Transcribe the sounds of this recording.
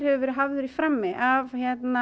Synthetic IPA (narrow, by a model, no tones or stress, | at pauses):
ɾ̥hɛvʏvɛːɾɪɦavðʏɾifɾamːɪʔavçjɛt̪na